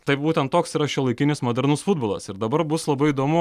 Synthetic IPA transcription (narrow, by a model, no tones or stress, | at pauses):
t̪ɐɪp̚buːt̪ʲɛnt̪t̪ːoːksiːɾɐʃʲulˠɐɪkʲɪnʲɪsmoːd̪ʲɛɾnʊsfʊd̪boːlˠɐsɪɾd̪ɐbɐɾbʊslˠɐbɐɪid̪oːmʊ